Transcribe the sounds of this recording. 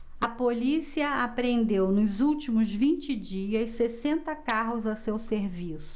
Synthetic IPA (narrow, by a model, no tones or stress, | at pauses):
ɐpolisiɐapɾẽnd̪ewnʊzuwt͡ʃimʊzvĩnt͡ʃɪd͡ʒiɐssesẽnt̪ɐkaɦʊzɐsewseɾvisʊ̥